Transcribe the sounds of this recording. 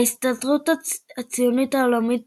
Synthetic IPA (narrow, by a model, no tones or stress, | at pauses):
istadʁutaat͡sijonitaolamit̚